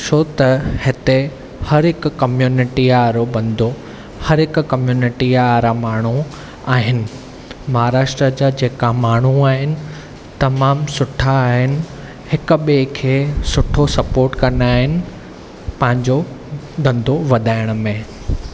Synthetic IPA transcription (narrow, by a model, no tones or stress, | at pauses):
ʃʰot̪ɐhɪt̪e | hɐɾɦɪkkːɐmjuːnɪʈiaɾobɐ̃nd̪ʱo | hɐɾɦɪkkɐmjuːnɪʈiaɾãmaːɳ̤u | aːɦɪnɪ̆ | mɐɦaɾaːʃʈɾəd͡ʑaəd͡ʑeːkãmaːɳ̤uaːɦɪnɪ̆ | t̪ɐmaːmsʊʈʰaːɦɪnɪ̆ | hɪkʊ̆ɓekʰeːsʊʈʰosɐpoːɾʈkɐnaːɦɪnɪ̆ | pɐ̃ɦɪ̃ɲd͡ʑo | d̪ɐ̃nd̪ʱoʋɐd̪ʱaːɪɽ̃̆mẽ